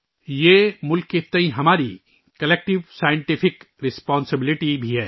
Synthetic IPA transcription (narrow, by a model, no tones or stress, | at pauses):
jeːmʊlkːet̪ɐ̃ĩɦɐmaːɾi | kɐleːk̚ʈɪʋsaːjɪ̃ɳʈɪpʰɪk | ɾɪspaːnsɪbɪlɪʈibʱiɦɛː